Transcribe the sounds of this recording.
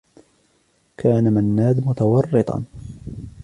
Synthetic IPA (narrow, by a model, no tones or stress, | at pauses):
kʰaːnamanːaːd̪mʊt̪awɑrːɨt̪ˤɑ̰n